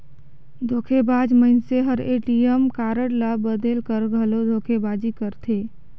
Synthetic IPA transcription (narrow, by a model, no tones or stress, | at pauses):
d̪ʱoːkʰebaːd͡ʒmənseɦəɾeːʈiemkaːɾəɽlabəd̪elkəɾɡʱəlod̪ʱoːkʰebaːd͡ʒikəɾt̪ʰeː